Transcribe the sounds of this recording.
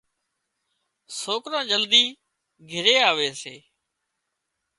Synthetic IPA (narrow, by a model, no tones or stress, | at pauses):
soːkɾãːd͡ʒəld̪iː | ɡʱɪɾeːaːʋeːseː